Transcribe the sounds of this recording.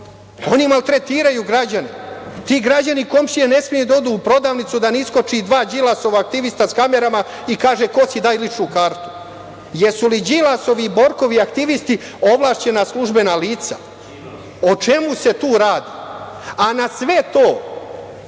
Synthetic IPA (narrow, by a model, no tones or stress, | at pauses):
o̞nimalˠt̪ɾet̪iːɾajuɡɾad͡ʑanit̪iːɡɾad͡ʑaniko̞mʃijene̞smijud̪ao̞d̪uːpɾo̞d̪aːʋnit̪sud̪anisko̞t͡ʃid̪ʋaːd͡ʒilˠaso̞ʋaːk̚t̪iʋist̪askame̞ɾama | ikaːʒeko̞sid̪aːjlit͡ʃnukaːɾt̪u̥ | jesulid͡ʑilaso̞ʋibo̞ɾko̞ʋiakt̪iʋist̪i | o̞ʋlˠaːʃt͡ɕe̞naslˠuʒbe̞naliːt̪sa̰ | o̞t͡ʃe̞muse̞t̪uːɾaːd̪iː | anasʋe̞t̪oː